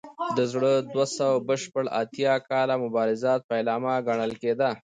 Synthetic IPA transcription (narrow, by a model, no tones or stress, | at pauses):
d̪əzɽəd̪wasawabəʃpəɽa̰t̪jɑkɑlamʊbɑɾɪzɑt̪̚paɪlɑmaɡaɳəlked̪a